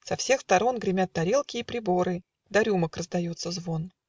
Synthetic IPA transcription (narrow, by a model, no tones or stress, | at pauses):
sɐfsʲe̞xst̪ɐɾo̞nɡɾʲɪmʲat̪ːɐɾʲelˠkʲɪːpɾʲɪbo̞ɾɨ | d̪ɐɾʲuməkrəzd̪ɐjo̞t̪sːəzvo̞n